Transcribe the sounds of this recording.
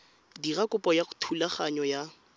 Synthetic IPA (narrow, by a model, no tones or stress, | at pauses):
dirakʼʊpʼɔjaχʊ̥tʰulaχaɲɔja